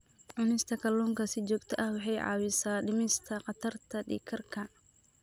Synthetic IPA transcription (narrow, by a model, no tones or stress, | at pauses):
ʕʊnɪst̪ʰɐkʰɐlːɔːŋkʰɐsɪt͡ʃɔːɡt̪ʰɐʔɐhwɑħɑjʕɑ̰ːwɪsaːɖɪmɪst̪ʰɐqɑt̪ʰɐrt̪ʰɐɖḭːkʰɐrkʰɐ